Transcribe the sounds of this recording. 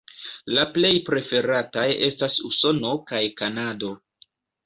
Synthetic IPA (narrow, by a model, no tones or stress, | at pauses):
laple̞jpɾe̞fe̞ɾataje̞stasuso̞no̞kajkanado̞